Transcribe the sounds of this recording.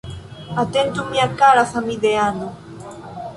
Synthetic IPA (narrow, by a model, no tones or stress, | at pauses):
at̪ent̪umiakaɾaθamiðeanu